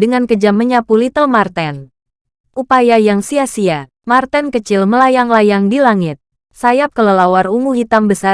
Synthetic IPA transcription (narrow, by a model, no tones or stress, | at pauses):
dəŋankəd͡ʒaməɲapulit̪əlmart̪ɛn | ʔupajajaŋsiasia | mart̪ankət͡ʃɪlməlajaŋlajaŋdilaŋɪt̪̚ | sajap̚kələlawaruŋuhit̪ambəsa